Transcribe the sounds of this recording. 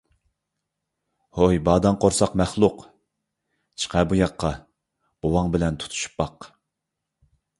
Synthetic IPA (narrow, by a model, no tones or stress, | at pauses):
hojbɑːd̪ɑŋqʰoɾsɑqmæχlˠʊq | t͡ʃʰə̥qʰɛbujɑqʰːɑ | b̥owɑŋbɪlɛnt̪ʰu̥t̪ʰu̥ʃu̥pːɑq